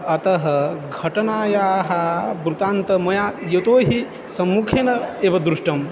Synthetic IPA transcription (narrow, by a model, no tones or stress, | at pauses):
ɐt̪ɐɦɐ̆ɡʱɐʈɐnaːjaːɦabɾut̪aːnt̪ɐmɐjaːjot̪oːɦi | sɐmːukʰenɐeːbɐd̪ɾuʂʈɐm